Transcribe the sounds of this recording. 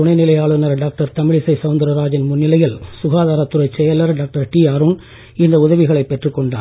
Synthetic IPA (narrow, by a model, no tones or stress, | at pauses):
ʊɳɐɪnɪlɐjaːɭɯnɐɾɖaːk̚ʈɐɾt̪ɐmɪɭɪsɐɪsɐʋʊnd̪ɐɾɐɾaːd͡ʒɪnmʊnːɪlɐjɪlsʊɣaːðaːɾɐt̪ːʊɾɐɪt͡ʃɛjɐlɐɾɖaːk̚ʈɐɾʈiːaːɾun | ɪnd̪ɐʊðɐʋɪɣɐɭɐɪpːɛʈrɯkːɔɳɖaː